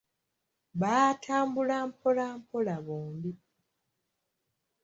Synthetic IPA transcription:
βaːtʰaːmbulampʰolaːmpolaβoːmbi

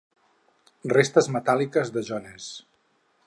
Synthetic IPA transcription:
rest̪əzmət̪alikəzðəʒɔnes

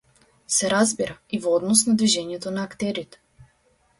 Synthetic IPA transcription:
sɛɾazbiɾʔaivɔɔd̪nɔsnad̪viʒɛɲɛt̪ɔnaːkt̪ɛɾit̪ɛ̥

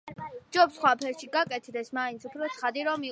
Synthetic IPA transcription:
d͡ʒɔpsχwapʰɛɾʃiɡakʼɛt̪ʰd̪ɛsmaint̪supʰɾɔt̪sʰχad̪iɾɔmi

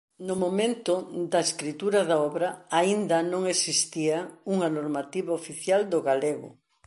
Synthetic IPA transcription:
nʊmomẽnt̪ʊd̪ɐeskɾit̪uɾɐðaɔβɾɐaind̪ɐnõŋesist̪iɐuŋɐnoɾmat̪iβaofiθjald̪ʊɣaleɣʊ̰

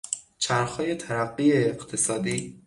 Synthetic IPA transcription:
t͡ʃʰæɾxɒːje̞t̪ʰæɾæɢːieːɢt̪ʰe̞sɒːd̪iː

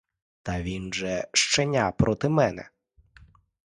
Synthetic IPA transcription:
t̪ɐʋʲinʒɛʃt͡ʃenʲapɾɔt̪ɪmɛnɛ̰

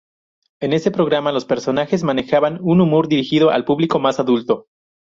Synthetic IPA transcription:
e̞ne̞st̪e̞pɾo̞ɣɾamalo̞spe̞ɾso̞naxe̞zmane̞xaβanunumoɾðiɾixiðo̞ʔa̰lpuβliko̞masaðult̪o̞

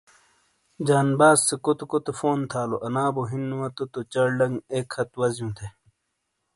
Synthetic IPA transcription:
d͡ʑaːnbaːzːekot̪okot̪efoːnt̪ʰaːloʔɐnaːboɦinːuwɐt̪ot̪ot͡ɕɐɽɖɐŋɡeːkʰhɐt̪wɐzjũːt̪ʰe

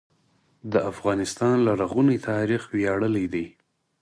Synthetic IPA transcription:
d̪əʔafɣɑnɪst̪ɑnlaɾaɣunit̪ʰɑɾixwjaɽəlid̪i

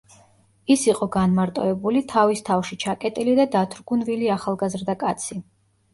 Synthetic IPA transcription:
isiqʼɔɡanmaɾt̪ʼɔ̰ɛbulit̪ʰavist̪ʰafʃit͡ʃʰakʼɛt̪ʼilid̪ad̪at̪ʰɾɡunviliaχalˠɡazɾd̪akʼat̪sʰi

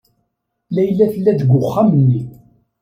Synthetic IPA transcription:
læjlːæθəlːæðəɡʷʊχːamənːi

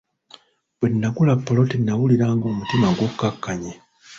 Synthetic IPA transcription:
bwenːaɡulapːolo̞tinːawuliɾaːŋɡo̞ːmutimaɡwo̞kːakːaɲe

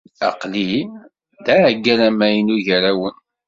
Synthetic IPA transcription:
ɑ̰qli | d̪æʕɡːæɾæmæjənuʝəɾæwən

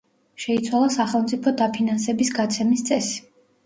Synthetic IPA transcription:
ʃɛit̪sʰwalˠasaχɛlˠmt̪sʼipʰɔd̪apʰinansɛbisɡat̪sʰɛmist̪sʼɛsi̥

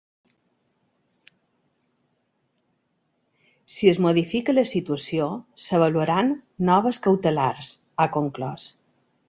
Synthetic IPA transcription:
siəzmoðifikələsit̪uəsiosəβəluəɾanːɔβ̞əskəwt̪əlaɾz | akoŋklɔs

